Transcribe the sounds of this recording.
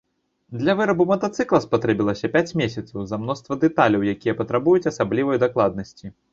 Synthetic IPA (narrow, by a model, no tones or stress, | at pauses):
d̪lʲɐvɨɾɐbumɐt̪at̪sɨklˠɐspat̪ɾɛbʲilˠɐsʲɐpʲat͡sʲmʲesʲɐt̪sɐwzɐmnɔst̪vɐd̪ɛt̪alʲɐwjakʲijɐpɐt̪ɾabujut͡sʲɐsablʲivɐjd̪aklˠad̪nɐsʲt͡sʲi